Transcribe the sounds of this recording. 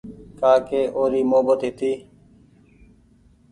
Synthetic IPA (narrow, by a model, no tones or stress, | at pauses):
kaːkeːʔoːɾiːmoːbət̪ɦɪt̪iː